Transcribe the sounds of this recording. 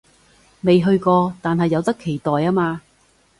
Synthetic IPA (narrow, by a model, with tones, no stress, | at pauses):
me˨jɦɵ˧ɥkɔː˧t̪aː˨nɦɐ˨jːɐ˨˧wt̪ɐ˥kʰːe˨˩jt̪ɔː˨jaː˥maː˧